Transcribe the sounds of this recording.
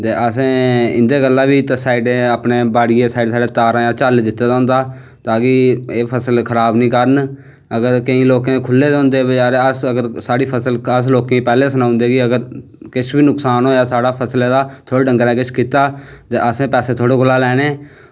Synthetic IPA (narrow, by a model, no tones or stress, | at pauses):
t̪eːʔəsẽːɪ̰nd̪eːɡəlːaːbiːt̪asaːɪɖẽːaːpneːbaːɽɪjeːsaːɪɖsaːɖeːt̪aːɾãːjaːt͡ʃaːld̪ɪt̪ːeːd̪aɦʊ̃nd̪aː | t̪aːkieːpʰəsəlkʰəɾaːbnĩːkəɾən | əɡəɾkəĩːloːkẽːkʰʊlːeːd̪ʊ̃nd̪eːbəd͡ʒaːɾeːəsəɡəɾsaːɽiːpʰəsələs̬loːkẽːiːpɛːleːsənãːʊnd̪eːɡiəɡəɾ | kɪt͡ʃʰbiːnʊksaːnɦoːjaːsaːɽaːpʰəsleːd̪aːt̪ʰoːɽeːɖə̃ŋɡəɾɛ̃ːkɪt͡ʃʰkiːt̪aːt̪eːʔəsẽːpɛːseːt̪ʰoːɽeːkʰʊlaːlɛːneː